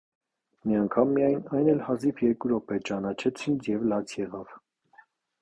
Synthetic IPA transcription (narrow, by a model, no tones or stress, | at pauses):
miɑŋkʰɑmːijɑjnɑjnɛlhɑzifʰjɛɾkuɾɔpɛt͡ʃɑnɑt͡ʃʰɛt͡sʰint͡sʰjɛvlɑt͡sʰjɛʁɑv